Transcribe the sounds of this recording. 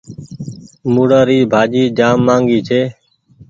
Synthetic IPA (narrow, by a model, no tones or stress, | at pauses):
muːɽaːɾiːbʱaːd͡ʒiːd͡ʒaːmːãːŋɡiːt͡ʃʰeː